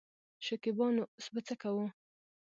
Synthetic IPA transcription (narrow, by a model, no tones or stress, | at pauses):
ʃakɪbɑnosbət͡sakawu